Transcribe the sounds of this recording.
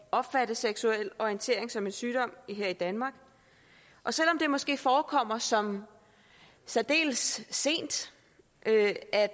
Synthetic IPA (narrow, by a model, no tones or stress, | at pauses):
ɒ̽b̥fæɾ̥əseɡ̥suel̰ɒiənt͡sʰe̝ːɐ̰e̝ŋsɒ̽me̝nsyːɾ̥ɒ̽m̰ɦe̝ɐ̰id̥ænmɑ̈ːɡ̥ | ʔɒ̽sel̰ɒ̽md̥e̝mɒ̽sɡ̥e̝̰ːfɒːkʰɒ̽m̰ɐsɒ̽m | sæd̥e̝̰ːlsːe̝̰ːnd̥ | ʔøæ